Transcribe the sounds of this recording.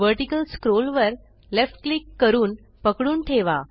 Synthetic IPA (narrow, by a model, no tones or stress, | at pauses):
ʋəɾʈikəlskɾolʋəɾ | lefʈ̚klikːəɾuːn | pəkɽuːnʈʰeʋa